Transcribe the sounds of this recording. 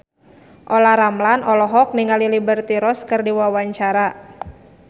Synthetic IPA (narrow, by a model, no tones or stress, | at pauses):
ʔɔlaɾamlanɔlɔɦɔk̚niŋalilibərt̪iɾɔskɨrdiwawaɲt͡ʃaɾa